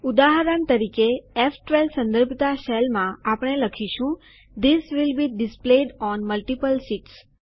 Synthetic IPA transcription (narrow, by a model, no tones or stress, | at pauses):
ud̪aɦəɾənt̪əɾikeːfʈʋelsə̃nd̪əɾbʱt̪aʃelmãapɽ̃eləkʰiʃũ | d̪isʋilbiɖɪspleɖɔnməlʈipəlsiʈs